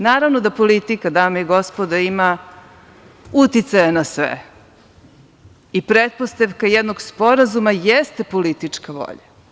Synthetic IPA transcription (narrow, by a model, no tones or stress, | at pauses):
naːɾaʋnod̪apolit̪ikad̪aːmaiɡo̞spod̪aima | ut̪it̪sajanasʋḛ | ipɾet̪̚post̪aʋkajɛd̪no̞ɡspo̞ɾazumajest̪epolit̪it͡ʂkaʋo̰ʎa̰